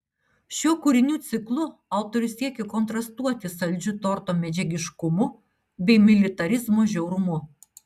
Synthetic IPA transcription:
ʃʲuɔkuɾʲɪnʲuːt̪sʲɪklˠʊɐʊt̪oɾʲʊsʲiɛkʲekɔnt̪ɾɐst̪uɔt̪ʲɪsɐlʲd͡ʒʲʊt̪ɔɾt̪oːmʲɛd͡ʒʲɛɡʲɪʃkʊmʊ | bʲɛɪmʲɪlʲɪt̪ɐɾʲɪzmoʒʲɛʊɾʊmʊ

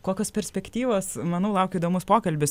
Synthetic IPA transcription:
koːkʲoːspʲɛɾʲsʲpʲɛkt̪ʲiːʋoːsmɐnɐʊlˠɐʊkʲʊiːd̪oːmʊspoːkɐlʲbʲɪs

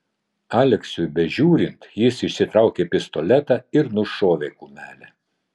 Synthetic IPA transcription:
ɑːlʲɛksʲʊjbʲɛʒʲuːɾʲɪnt̪jɪsɪʃʲsʲɪt̪ɾɑˑʊkʲeːpʲɪst̪ɔlʲɛt̪ɑɪɾnʊʃoːʋʲekumʲæːlʲɛ

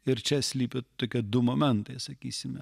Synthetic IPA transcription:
ɪɾt͡ʃʲɛsʲlʲiːpʲɪt̪oːkʲiɛd̪ʊmomʲɛnt̪ɐɪsɐkʲḭːsʲɪmʲɛ

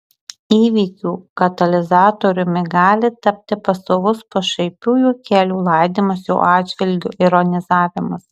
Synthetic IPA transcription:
iːʋʲiːkʲuːkɐt̪ɐlʲɪzɑːt̪oɾʲʊmʲɪɡɑːlʲɪt̪ɐpʲt̪ʲɪpɐsoːʋʊspoːʃɐɪpʲuːjuːkʲæːlʲuːlˠɐˑɪd̪ʲiːmɐsjɛʊʔɑːd̪d͡ʒʲʋʲɪlʲɡʲʊʔɪɾɔnʲɪzɑːʋʲɪmɐs

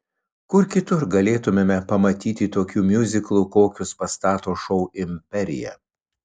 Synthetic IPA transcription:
kʊɾkʲɪt̪ʊɾɡɐlʲeːt̪ʊmʲeːmʲɛpɐmɐt̪ʲiːt̪ʲɪt̪oːkʲuːmʲjʊzʲɪklˠuːkoːkʲʊspɐst̪ɑːt̪oːʃɔʊɪmʲpʲɛɾʲɪ̰jɛ̰

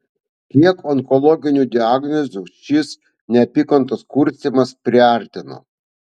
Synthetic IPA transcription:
kʲiɛkɔŋkɔlˠɔɡʲɪnʲuːˑd̪ʲɪaːɡnʲɔzʲuʃʲɪs | nʲɛɐpʲɪkɔnt̪ɐskʊɾʲsʲt̪ʲimɐspʲɾʲɪɑˑɾʲt̪ʲɪno̰ː

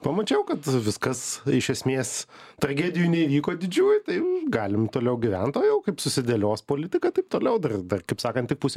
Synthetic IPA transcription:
pɐmɐt͡ʃʲɛʊkɐt̪ʋʲɪskɐsɪʃʲɛsʲmʲeːst̪ɾɐɡʲæːd̪ʲɪjunʲɛiʋʲiːkoːd̪ʲɪd͡ʒʲuːjt̪ɐɪɡɑːlʲɪmt̪oːlʲɛʊɡʲɪʋʲɛnt̪oːjɛʊkɐɪpsʊsʲɪd̪ʲeːlʲoːspoːlʲɪt̪ʲɪkɐt̪ɐɪp̚t̪oːlʲɛʊd̪ɐrd̪ɐrkɐɪpsɑːkɐnt̪ʲɪk̚pusʲ

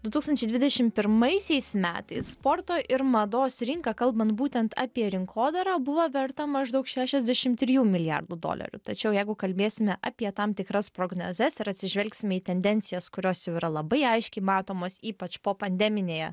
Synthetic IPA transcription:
d̪ʊt̪uːkst̪ɐnʲt͡ʃʲɛɪd̪ʲʋʲɪd̪ʲɛʃʲɪmpʲɪɾmɐɪsʲɛɪsmʲæːt̪ɐɪsspoːɾt̪oːʔɪɾmɐd̪oːsɾʲɪŋkɑkɐlˠbɐnt̪buːt̪ʲɛnt̪ɑːpʲiɛɾʲɪŋkʰoːd̪ɐɾɑːbʊʋɐʋʲɛɾt̪ɐmɐʒd̪ɐʊkʃʲæːʃʲɛzʲd̪ʲæʃʲɪmt̪ʲɾʲɪjuːmʲɪlʲɪjæ̰rd̪ud̪o̰ːlʲɐ̰ɾʲʊ̰t̪ɐt͡ʃʲɛʊjɛɪɡʊkɐlʲbʲeːsʲɪmʲɛʔɐːpʲiɛt̪ɐmt̪ʲɪkɾɐspɾoːɡno̰ːzʲɛsɪɾɐt̪ʲsʲɪʒʲʋʲɛlʲksʲɪmʲɛiːt̪ʲɛnʲd̪ʲɛnʲtsʲɪjɛskʊɾʲoːsjɛʊiɾɐlˠɐbɐɪɐɪʃʲkʲɛɪmɑːt̪oːmoːsiːpɐt͡ʃpoːpɐnʲd̪ʲɛmʲɪnʲeːjɛ̰

